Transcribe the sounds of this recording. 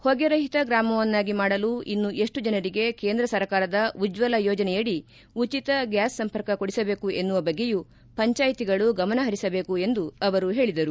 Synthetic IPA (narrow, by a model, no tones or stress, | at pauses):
hoɡɐɾɐɦit̪ɐɡɾaːmɐʋɐnːaːɡimaːɽɐluinːuʔe̞ʂʈud͡ʒɐnɐɾiɡe̞ke̞ːnd̪ɾɐsɐɾkaːɾɐd̪ɐud͡ʒʋɐlɐjɔːd͡ʒɐnɛjɐɽi | ut͡ʃit̪ɐɡjaːsːɐmpɐɾkɐko̞ɽisɐbe̞ːkue̞nːuʋɐbɐɡːe̞ju | pɐɲt͡ʃaːjit̪iɡɐɭuɡɐmɐnɐɦɐɾisɐbe̞ːkue̞nd̪uɐʋɐɾuɦe̞ːɭid̪ɐɾu